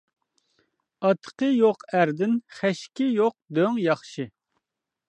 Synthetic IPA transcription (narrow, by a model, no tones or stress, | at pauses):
ɑt̪ʰːə̥qəjoqʰæɾd̪ɪnχæʃkʲɪjoq̚d̪øŋjɑχʃɨ